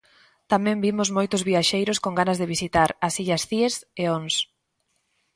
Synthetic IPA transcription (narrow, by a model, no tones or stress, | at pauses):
t̪amɛ̃mbimʊzmojt̪ʊzβiaʃejɾʊskoŋɡanɐzðeβisit̪aɾasiʎasθieseons